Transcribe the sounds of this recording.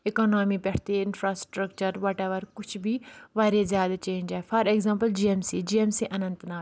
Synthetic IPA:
ɪkoːnoːmiːpɛʈt̪eːɪnpʰɾaːsʈɾəkt͡ʃəɾʋaːʈɛːʋəɾkʊt͡ʃʰbʱiːʋaːɾezjaːd̪aːt͡ʃẽːɲd͡ʒɛːpʰəɾɛɡzãːmpəld͡ʒiːeːmsiːd͡ʒiːeːmsiːʔənə̃nt̪naː

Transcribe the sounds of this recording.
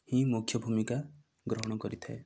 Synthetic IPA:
hĩmukʰjɔbʱumika | ɡɾɔɦɔɽ̃ɔkɔɾit̪ʰae

